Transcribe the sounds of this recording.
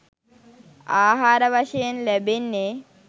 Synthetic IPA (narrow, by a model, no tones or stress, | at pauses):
aːɦaːɾəʋaʃejenlæbenːe